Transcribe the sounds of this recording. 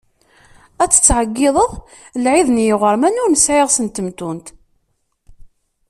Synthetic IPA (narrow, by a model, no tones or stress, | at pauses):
æt͡sːə̥t͡sːʕəɡːɪðˤəðˤ | lʕiðnjɪʁəɾmænʊɾnəsʕeʁsənt̪əmt̪unt̪